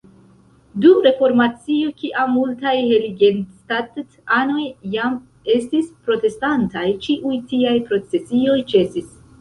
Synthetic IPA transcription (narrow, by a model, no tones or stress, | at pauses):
dumɾe̞fo̞ɾmat͡siokiʔamːultajheliɡenstattano̞jːam | e̞stispɾo̞te̞stantajt͡ʃiʔujtiajpɾo̞t͡se̞sio̞jt͡ʃe̞sis